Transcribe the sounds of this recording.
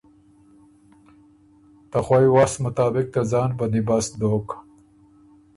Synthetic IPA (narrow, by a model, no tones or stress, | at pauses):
t̪axwajwaːsmʊt̪ɑːbɪk̚t̪azɑːnbɐnd̪ibasd̪oːk